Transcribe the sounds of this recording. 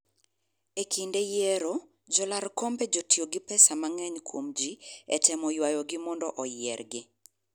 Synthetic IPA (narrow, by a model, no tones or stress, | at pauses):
ekʰindejɛɾo | d͡ʒɔlaɾkombed͡ʒotioɡɪpɛsamaŋɛɲkwomd͡ʒiɛtɛmɔjwajɔɡɪmɔndɔʔɔjɪɛrɡɪ